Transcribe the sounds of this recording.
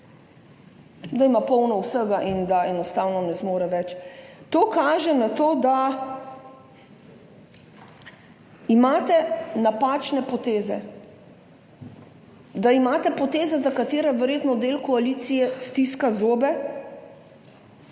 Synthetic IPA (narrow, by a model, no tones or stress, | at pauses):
d̪aimapɔwnɔwsəɡaʔind̪aɛnɔst̪aːwnɔnɛzmoːɾɛʋɛt͡ʃt̪oːkaːʒɛnat̪oːd̪a | imaːt̪ɛnapaːt͡ʃnɛpɔt̪eːzɛ̰ | d̪aimaːt̪ɛpɔt̪eːzɛzakat̪eːɾɛʋɛɾjeːt̪nɔd̪eːlkɔaliːt̪sijɛst̪iskazoːbɛ